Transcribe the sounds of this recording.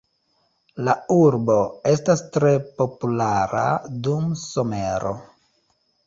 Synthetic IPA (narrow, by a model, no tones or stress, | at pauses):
lauɾbo̞e̞stastɾe̞po̞pulaɾa̰dumso̞meɾo̞̰